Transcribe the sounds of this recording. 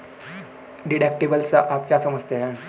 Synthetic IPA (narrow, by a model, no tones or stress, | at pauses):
ɖiɽek̚ʈibəlt͡saʔapkʲjasəməd͡zt̪ʰeɦa